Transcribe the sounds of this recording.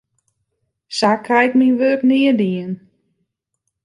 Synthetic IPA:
sakʰrɛjkminʋøːknɪədiən

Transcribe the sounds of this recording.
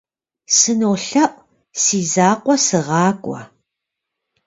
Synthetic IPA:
sɨnowɬɐʔʷ | siːzaːqʷʼɔsɨʁɑːkʷʼɔ̰

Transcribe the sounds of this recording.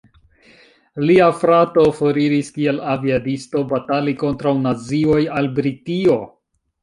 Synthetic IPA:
liafɾatofo̞ɾiɾiskie̞laviadisto̞bataliko̞ntɾawnazio̞jalbɾitio̞

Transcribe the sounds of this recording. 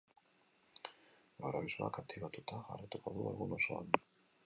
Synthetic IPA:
ɡaɾaβisua̰kakt̪ʰiβat̪ut̪aɣa̰rit̪ukoðuelɣuno̞so̞a̰n

